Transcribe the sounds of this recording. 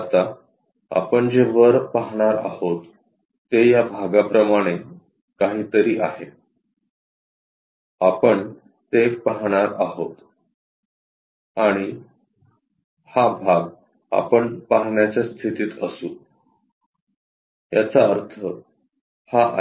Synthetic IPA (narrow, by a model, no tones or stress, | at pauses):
t̪a | a̰pəɳd͡ʑeʋəɾpaɦɳ̃aɾa̰hot̪ː | ejabʱaɡapɾəmaɽ̃e | kaɦiːt̪əɾiːʔaɦe | apəɳ | t̪epaɦɽ̃aɾa̰ɦot̪ | aɽ̃i | habʱaɡ | a̰pəɳpaɦɳjat͡ɕjast̪ʰit̪iːt̪ə̰suː | jat͡saəɾt̪ʰə | haʔ